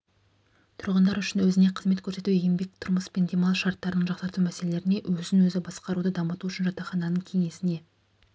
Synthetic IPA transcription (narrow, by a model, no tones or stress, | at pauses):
t̪ʰʊɾʁənd̪ɑɾʏʃɪnwɵzɪne̞qʰəzme̞t̪̚kʲʰɵɾse̞t̪ujembe̞k̚t̪ʰʊɾməspend̪emalˠʃɑɾt̪ːɑɾənəɴʒɑqsɑɾt̪umæse̞le̞le̞ɾɪne̞ʔwɵzɪŋwɵzɪbɑsqɑɾud̪əd̪ɑmət̪uʏʃɪnʒɑt̪ɑχɑnɑnəɴkʲʰe̞ŋe̞sɪne̞